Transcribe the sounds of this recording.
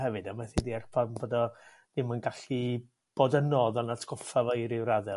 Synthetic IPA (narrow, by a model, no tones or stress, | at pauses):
hɛvɨdamaθidiarpʰaboːdɔ | d̥ɪmənɡaɬi | b̥oːdənɔðɔnatʰɡ̥ɔfavɔjɾɪwɾaðɛ